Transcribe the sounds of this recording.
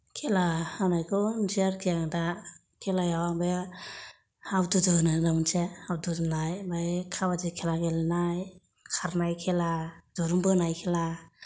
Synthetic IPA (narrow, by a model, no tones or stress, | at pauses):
kʰelahanajkʰɔnd͡ʒiaɾkʰijaŋda | kʰelajawabe | hawdudɯnadamɯnsehawduznajbajkʰabazikʰelaɡelnaj | kʰaɾnajkʰeladɔɾumbɯnajkʰela